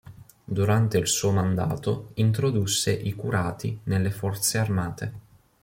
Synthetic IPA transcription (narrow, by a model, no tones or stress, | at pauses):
d̪uɾant̪eilsuːomand̪a̰ːt̪oint̪ɾod̪usːeʔikuɾaːt̪inelːefɔrt̪searmaːt̪e